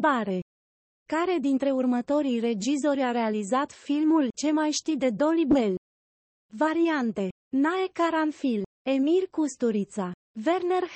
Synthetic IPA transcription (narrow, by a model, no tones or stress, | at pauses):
baɾe̞ | kaɾe̞d̪int̪ɾe̞urmət̪o̞ɾijre̞d͡ʒizo̞ɾʲaɾe̞alizat̪filmult͡ʃe̞majʃt̪id̪e̞d̪o̞libe̞l | vaɾiant̪e̞ | naekaɾanfil | emirkust̪uɾit̪sa | ve̞rner